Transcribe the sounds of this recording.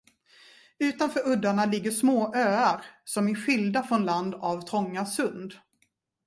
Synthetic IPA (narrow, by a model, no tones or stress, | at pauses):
ʉ̟ːt̪anfœːɾɵd̪ːaɳalɪɡːəʂmoːʔøːaɾsɔmɪɧɪld̪afɾɔnland̪avt̪ʰɾɔŋːasɵnd̪